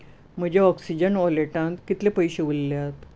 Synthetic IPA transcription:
m̤əd͡ʑeɔksid͡ʑənɔleʈãnt̪kit̪lepəjɕeʋulljat̪

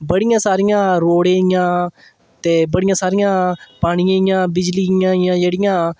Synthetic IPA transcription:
bəɽɪjãːsaːɾijãːɾoːɽẽːɪjãː | t̪eːbəɽɪjãːsaːɾijãːpaːɽ̃ijãːɪjãːbɪd͡ʒliːɪjãːjãːd͡ʒeːɽɪjãː

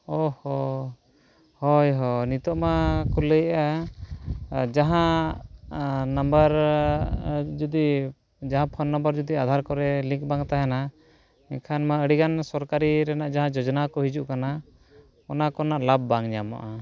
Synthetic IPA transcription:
ɔhɔ | hɔjɦɔnit̪ɔʔmakɔləjʔa | d͡ʒaɦã | nambəɾ | d͡ʒɔd̪i | d͡ʒaɦãpʰɔnːɔmbəɾd͡ʒɔd̪iad̪ʱaɾkɔɾɛliŋk̚baŋt̪aɦɛna | ɛɲkʰanmaəɽiɡansɔɾkaɾiɾɛnaʔd͡ʒaɦãd͡ʒɔd͡ʒɔnakɔɦid͡ʒuʔkana | ɔnakɔnaʔlab̚ːaŋɲama̰ʔa

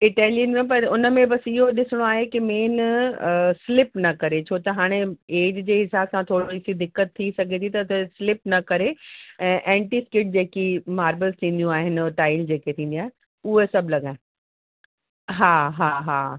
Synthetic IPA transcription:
ɪʈɛːlijənmẽpɐɾʊnə̆mẽbɐsɪɦoɗɪsɪɽ̃oaːɦekɪmeːn | slɪpnɐkɐɾet͡ɕʰoːt̪ɐɦaːɽ̃eeːd͡ʑd͡ʑeːɦɪsaːbsãt̪ʰoːɽoɪsid̪ɪkːət̪ʰːisɐɡʱet̪ʰit̪ɐt̪sɪlɪp̚nɐkɐɾeɛ̃ːʔɛ̃ːɳʈiskɪʈ̚d͡ʑeːkimaːɾʋəlst̪ʰĩːn̆d̪jũaːɦɪnʈaːɪld͡ʑeːket̪ʰĩːnd̪iaːɦe | uɦesɐblɐɠãːɦẽ | ɦaːɦaːɦaː

